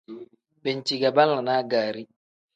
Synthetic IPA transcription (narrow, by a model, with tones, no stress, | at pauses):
bɛ˨nt͡ʃi˨ɡa˨ba˦lːa˨na˦ɡa˨ɾi˦